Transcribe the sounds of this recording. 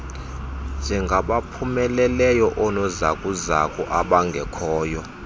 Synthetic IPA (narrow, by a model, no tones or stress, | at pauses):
nd͡ʒʱɛŋɡʱaɓapʰumɛlɛlɛjɔʔɔnɔza̰kʼuzakʼɔʔaɓaŋɡʱɛkʰɔːjɔ